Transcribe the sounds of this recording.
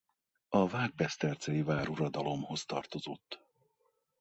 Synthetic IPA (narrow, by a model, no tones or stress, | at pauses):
ɒvaːɡ̚bɛst̪ɛrt̪sɛjivaːɾuɾɒd̪ɒlo̞mho̞st̪ɒ̰rt̪o̞zo̞t̪ː